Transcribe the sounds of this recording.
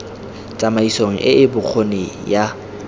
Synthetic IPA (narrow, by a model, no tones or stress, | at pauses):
tʼamaisoŋ̩ʔɪʔɪbʊk͡xʰonɪja